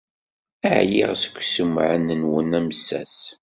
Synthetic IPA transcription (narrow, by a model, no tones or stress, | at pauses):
æʕjḭʁsə̥kʷːsəmːʕə̰nənwənæməsːæ̰s